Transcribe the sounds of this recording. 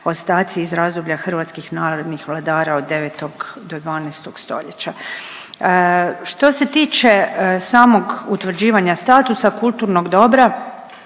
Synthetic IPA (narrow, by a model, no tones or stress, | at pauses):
o̞st̪aːt̪siizɾazd̪oblʎaxr̩ʋat̪skixnaːɾo̞d̪nixʋlˠad̪aːɾao̞d̪ːeʋeːt̪o̞ɡd̪o̞d̪ʋaːnɛːst̪o̞ɡst̪o̞̰ʎet͡ɕa | ʃt̪o̞se̞t̪iːt͡ʃe̞saːmo̞ɡut̪ʋr̩d͡ʑiːʋaɲast̪aːt̪usakulˠt̪uːɾno̞ɡd̪o̞bɾa